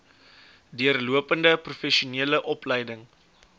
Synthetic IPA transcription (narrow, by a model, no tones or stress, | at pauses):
diərluəpəndəprufɛʃiuniələʔɔplɛjdəŋ